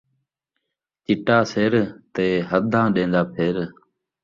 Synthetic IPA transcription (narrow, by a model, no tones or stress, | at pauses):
t͡ʃɪʈaːseːɾt̪eːɦəd̪ʱãːɗẽːnd̪aːpʰeɾ